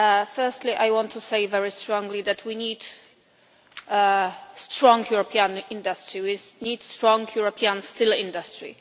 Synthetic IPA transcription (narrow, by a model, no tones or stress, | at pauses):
fɛ˞st̪liʔajwɔ̃nt̪ʰːuseɪvɛɹistɹɔ̃ŋɡlid̪ɛtʰwinid | stɹɔ̃ŋɡjuɹɔpʰiãnɪ̃ndastɹiwinidstɹɔ̃ŋɡjuɹɔpʰiãnstɪlɪ̃ndastɹḭ